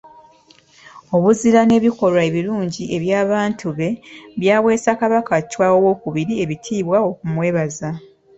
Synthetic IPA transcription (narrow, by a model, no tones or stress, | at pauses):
o̞βuziɾane̞ːβiko̞ɾwae̞βiɾuːɲɟiʔe̞βjaːβaːntʰuβe̞βjaːwe̞ːsakaβakacwaːwowo̞ːkuβiɾie̞βitʰiːβwao̞kumwe̞ːβaza